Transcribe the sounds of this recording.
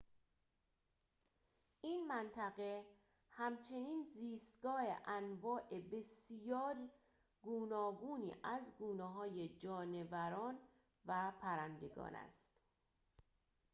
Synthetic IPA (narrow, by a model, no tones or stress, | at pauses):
ʔiːnmænt̪ʰæɣe̞ | hæmt͡ʃʰe̞niːnziːst̪ɡɒːhḛʔænvɒːʔe̞be̞sjɒːɾ | ɡuːnɒːɡuːnḭːʔæzɡuːneɦɒːjed͡ʒɒːne̞væɾɒːn | væpʰæɾænd̪e̞ɡɒ̰ːnæ̰st̪